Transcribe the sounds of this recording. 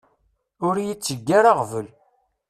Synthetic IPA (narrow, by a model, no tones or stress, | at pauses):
ʊɾjit͡sːəɡːaɾaʁvəl